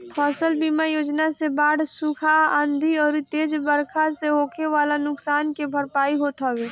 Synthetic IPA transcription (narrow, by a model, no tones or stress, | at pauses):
fʰɔːsəlbiːmajoːd͡ʒnasebaːɽsʊkʰaãːnd̪ʱiɔːɾɪt̪eːd͡ʒbəɾkʰaseɦoːkʰeʋaːlanʊksaːnkebʱəɾpaːiɦot̪aːweː